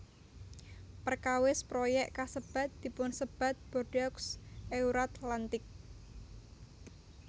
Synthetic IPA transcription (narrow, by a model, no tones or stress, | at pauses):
pərkawɪspɾojɛʔkasəb̥a̤t̪̚d̪̥i̤pʊnsəb̥a̤t̪̚b̥o̤ɖ̥ɔksʔeuɾat̪lant̪ɪk̚